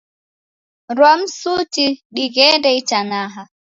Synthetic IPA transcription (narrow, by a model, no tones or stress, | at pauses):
ɾwam̩sutiɗiɣɛndɛit͡ʃanaɦa